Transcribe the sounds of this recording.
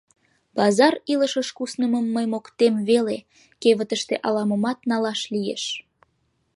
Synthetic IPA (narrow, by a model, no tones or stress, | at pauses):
bɑzɑriləʃəʃkusnəməmːəjmokt̪emβele | keβət̪əʃt̪eʔɑlɑməmɑt̪nɑlɑʃlijḛʃ